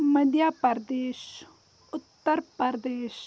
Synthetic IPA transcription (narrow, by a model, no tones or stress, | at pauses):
mɐd̪jaːpɐɾd̪eːʃ | ʊt̪ːəɾpəɾd̪eːʃ